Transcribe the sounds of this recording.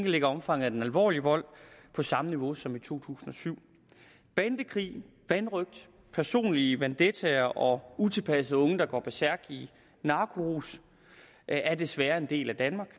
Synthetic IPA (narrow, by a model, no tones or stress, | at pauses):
ŋɡ̥əle̝ɡ̥ɐɒ̽mfɑ̈ŋ̰ð̩ˠæd̥enælʋɒ̰ːliəʋɒ̽l̰pʰɒ̽sɑ̈məniʋo̝sɒ̽mit͡sʰo̝̰ːt͡sʰṵːsn̩ɒ̽syʊ̰ | b̥ænd̥əkʰʁḭː | ʋænʁœɡ̥̚d̥ | pʰæɐso̝̰ːnliəʋænd̥et͡sʰæɐʔɒ̽ut͡sʰe̝lpʰæsəð̩ˠɔ̽ŋəd̥ɑ̈ɡ̥ɒ̰ːb̥ʰesæɐ̰ɡ̥i | nɑ̈ːkʰoʁus | æɐd̥e̝sʋæːɐe̝nd̥e̝̰ːlæd̥ænmɑ̈ːɡ̥